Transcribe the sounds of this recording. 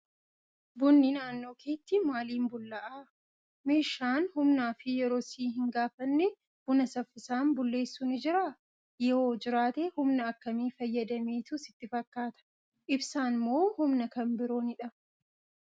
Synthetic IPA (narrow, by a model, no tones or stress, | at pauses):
bʊnːɪnaːnːo̞ːkeːt̪ːɪmaːliːmbʊlːɐʔaː | me̞ːʃːaːnhʊmnaːfɪjɛɾo̞ːsiːɦɪŋɡaːfɐnːɛ | b̥ʊnɐsɐfːɪsaːnbʊlːe̞ːsːunɪd͡ʒɪɾaː | jɛoːd͡ʒɪɾaːt̪eːhʊmnɐːkːɐmiːfɐjːɐd̪ɐmeːt̪ʊsɪt̪ːɪfɐkːaːt̪ɐ̥ | ʔɪbsaːnmo̞ːhʊmnɐkɐmbɪɾo̞ːnɪᶑɐ